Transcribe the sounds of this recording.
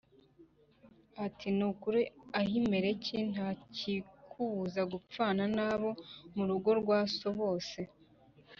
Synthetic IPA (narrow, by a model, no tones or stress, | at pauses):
atinukuɾiaɦime̞ɾe̞cʰin̥aːcikʰuβuzaɡup͡faːnanaβo̞muɾuɡo̞ɾɡwaːso̞βo̞ːse̞